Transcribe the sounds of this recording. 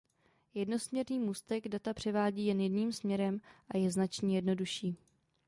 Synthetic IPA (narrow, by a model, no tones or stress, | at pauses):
jɛdno̞smɲɛɾniːmuːst̪ɛɡdat̪apr̝̥ɛvaːɟiːjɛnjɛdniːmsmɲɛɾɛmʔajɛznat͡ʃɲiːjɛdno̞duʃiː